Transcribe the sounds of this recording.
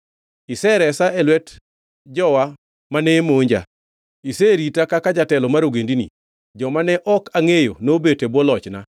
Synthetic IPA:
isɛɾɛsaɛlwɛt | d͡ʒɔwa | manemoɲd͡ʒa̰ | iseɾitakakad͡ʒatɛlɔmaɾoɡendinḭ | d͡ʒɔmanɛʔɔkaŋejonobetebwɔlɔt͡ʃna

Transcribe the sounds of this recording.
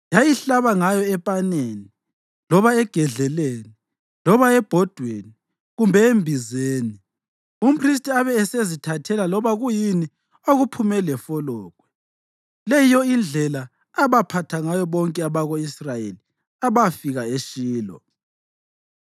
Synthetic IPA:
jajiɬaβaŋajɔɛpʼaneːni | lɔβaɛɡ̥ʱɛɮɛleni | lɔβaɛb̥ʱɔd̥ʱweni | ɣumbʱɛembʱizeːni | um̩pʰris̬tʼiaβɛːsezitʰatʰɛlalɔβaɣujini | oɣupʰumɛlɛfɔlɔːkʼwɛ | lɛjijɔind͡ɮʱɛlaː | βapʰatʰaŋajɔβɔŋkʼɛaβaɣoisrajeli | aβafiɣaeʃiːlɔ̰

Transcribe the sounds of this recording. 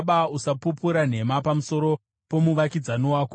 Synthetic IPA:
ɓausapupuɾan̤e̞mapamuso̞ɾo̞ | po̞muʋakid͡zanowaːko

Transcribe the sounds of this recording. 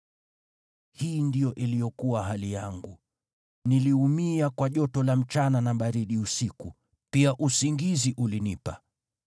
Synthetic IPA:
hiːndijɔʔilijɔkuwaɦalijaŋɡu | niliumiakwaʄɔtɔlam̩t͡ʃananaɓaɾiɗiusiku | piaʔusiŋɡiziʔulinipa

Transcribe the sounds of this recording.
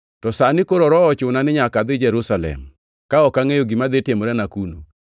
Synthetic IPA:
tɔsanɪkoɾɔɾɔɔt͡ʃʊnanɪɲakad̪ɪd͡ʒɛɾʊsalɛ̰m | kaɔkaŋejoɡɪmad̪etjemoɾɛnakuno̰

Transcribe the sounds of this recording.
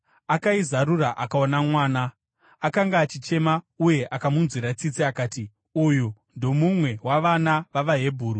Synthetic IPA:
akaizaɾuraʔakaonamwaːnaː | kaŋɡaːt͡ʃit͡ʃe̞ma | uje̞ʔakamunzwiɾat͡sit͡siakaːti | ujundo̞mumwe̞waʋanaʋaʋaɦe̞bʱuːɾu

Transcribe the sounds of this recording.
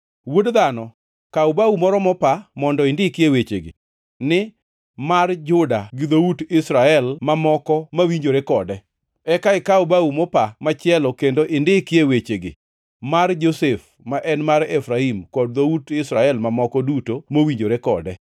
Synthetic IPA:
wodd̪anɔ | kaubaumɔɾɔmɔpamɔndɔɪndɪkɪewet͡ʃḛɡɪ̰ | nɪ | mard͡ʒʊdaɡɪd̪outɪsɾaɛlmamɔkɔmawiɲd͡ʒoɾekɔdɛ | ɛkaɪkaubaumɔpamat͡ʃɪɛlɔkendoʔɪndɪkjewet͡ʃeɡɪ̰ | mard͡ʒosef | maʔɛnmaɾɛfɾaimkɔd̚d̪outɪsɾaɛlmamɔkɔdutomowiɲd͡ʒoɾekɔ̰dɛ

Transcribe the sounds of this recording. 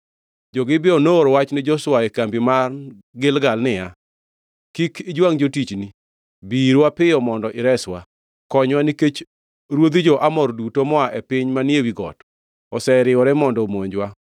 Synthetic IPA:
d͡ʒɔɡɪbɪɔnoɾwat͡ʃnɪd͡ʒɔswaɛkambimar | ɡɪlɡalnɪja | kikʰɪd͡ʒwaŋd͡ʒotit͡ʃni | biɾwapɪɔmɔndɔʔɪɾɛswa | kɔɲwaniket͡ʃ | ɾwod̪id͡ʒɔʔamɔɾdutomɔaʔɛpɪɲmanjewiɡɔ̰t | ɔsɛɾɪwɔɾɛmɔndɔmoɲd͡ʒwa

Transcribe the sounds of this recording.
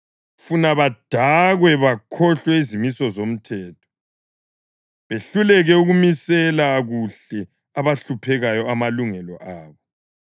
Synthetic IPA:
funaβad̥ʱaɣwɛβakʰɔɬwɛizimisɔzom̩tʰɛːtʰɔ̥ | βeɬulɛɣɛuɣumisɛlaɣuɬɛ | aβaɬupʰɛɣajɔamaluŋɛlɔʔaːβɔ

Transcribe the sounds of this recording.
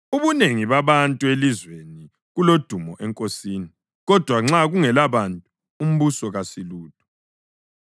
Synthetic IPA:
uβuneŋiβaβantʼuelizweni | ɣulod̥ʱumɔʔɛŋkʼosiːni | ɣɔd̥ʱwaŋ͡ǁaɣuŋɛlaβantʼu | um̩βusɔɣasiluːtʰʼu̥

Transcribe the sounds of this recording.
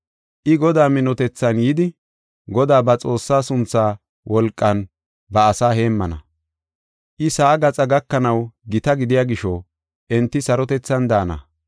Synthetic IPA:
ʔɪɡɔd̪aːmɪnɔt̪ɛt͡sːɐnjiːd̪ɪ | ɡɔd̪aːbɐt͡sʼo̞ːsːaːsʊnt͡sːaː | wʔɔlkʼːɐn | bɐːsaːɦe̞ːmːɐnɐ̰ | ʔɪsaːɡɐt͡sʼɐɡɐkːɐnɐwɡɪt̪ɐɡɪd̪ɪjaːɡɪʃɔ | ʔɛnt̪ːɪsɐɾɔt̪ɛt͡sːɐnd̪aːnɐ̰

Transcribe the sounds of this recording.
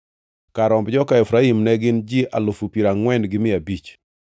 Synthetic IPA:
kaɾɔmbd͡ʒɔkaɛfɾaimnɛɡɪnd͡ʒiʔalʊfupiɾaŋwɛnɡɪmɪabit͡ʃ

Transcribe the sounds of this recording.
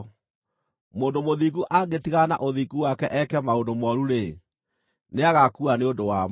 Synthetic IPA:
moːndomoðikuʔaɡetiɣana̰ʔoðikuwakɛʔɛkɛmaondomɔɾuɾe | neaɣakuaneondowam

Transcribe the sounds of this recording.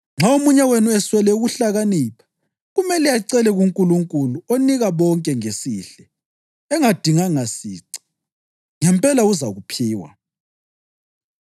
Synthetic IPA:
ŋ͡ǁʱaomuɲawenuɛswɛlɛuɣuɬaɣaniːpʰḁ | ɣumɛlɛjaǀɛlɛɣuŋkʼuluŋkʼuluoniɣaβɔŋkʼɛŋesiːɬɛ | ɛŋad̥ʱiŋaŋasiːǀi̥ | ŋɛmpʼɛlauzaɣupʰiːwa̰

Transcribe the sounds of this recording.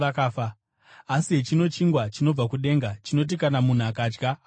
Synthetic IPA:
akaːfaː | siɦe̞t͡ʃino̞t͡ʃiŋɡwat͡ʃino̞b͡vakuɗe̞ːŋɡat͡ʃino̞t̬ikanamun̤uakaːd͡ʒɡa

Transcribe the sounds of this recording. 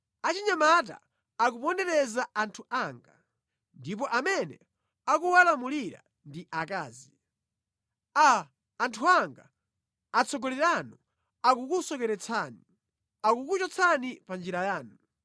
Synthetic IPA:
at͡ʃiɲamat̬a̰ː | k̬upɔndɛɾɛzaʔantʰuʔaŋɡa | ndip̬ɔʔamɛnɛ̰ | akuwalamuliɾa̰ | ndiʔakaːzi | aː | ntʰuaŋɡa | at͡sʰɔɡɔlɛɾanu | ak̬ukusɔkɛɾɛt͡sʰani | akukut͡ʃɔt͡sʰanipand͡ʒiɾajaːnu

